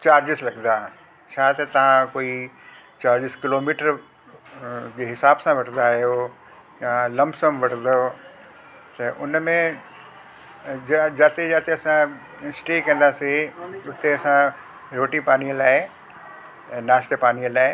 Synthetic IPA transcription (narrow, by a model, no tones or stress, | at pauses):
t͡ɕaːɾd͡ʑɪslɐɡnd̪aɦ | t͡ɕʰaːt̪ɐt̪ɐʋ̤ãkoːi | t͡ɕaːɾd͡ʑɪskɪloːmiːʈəɾ | d͡ʑeɦɪsaːbsãʋɐʈʰnd̪aɦijo | jalɐmbsəmʋɐʈʰnd̪o | t̪ɐʔʊnmẽ | d͡ʑaːt̪ed͡ʑaːt̪eɐsã | ɪsʈeːkɐ̃nd̪aseʊt̪eɐsã | ɾoːʈipaːniəlaːɪ | naːʃt̪epaːniːəlaːɪ